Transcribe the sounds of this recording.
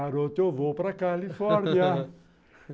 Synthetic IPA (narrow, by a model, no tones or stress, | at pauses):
aɾot̪ovopɾakalifɔɾnja